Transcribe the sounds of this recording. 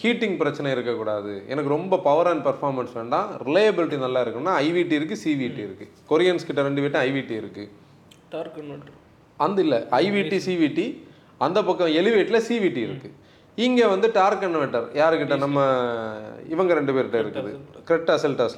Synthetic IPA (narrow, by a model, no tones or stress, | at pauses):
hiːʈːɪ̃ŋɡ̚pɪɾɐt͡ʃːɐnɐɪɾɯkːɐkːuːɽaːðɯɛ̰nɐkːɯɾɔmbɐpɐʋɐɾaːnpɐɾfaːɾmɐnsʋeːɳɖãːɾɪlɐjɐbɪlɪʈːinɐlːaːɪɾɯkːɐnmnːaːɐɪʋiːʈːiɪɾɯk̬ːɯsiːʋiʈːiɪɾɯkːɯ | kɔɾɪjɐnskɪʈːɐɾɛɳɖɯʋeːʈ̬ːɐ̃ɐɪʋiːʈiɪɾɯkːɯ | ʈːɾ | ɐnd̪ɪlːɐɐɪʋiːʈːisiːʋiːʈːi | ɐnd̪ɐpɐkːɐ̃ɛlɪʋeːʈːɪlɐsiːʋiːʈiɪɾɯkːɯ | ɪŋɡeːʋɐnd̪ɯʈaːɾkːɐɳːʋɛʈːɐɾjaːɾɯkːɪʈːɐnɐmːɐ | ɪʋɐŋɡɐɾɛɳɖɯpeːɾɪʈːɐ̃ɪɾɯkːɐðɯkɪɾɛʈːasɐlʈaːs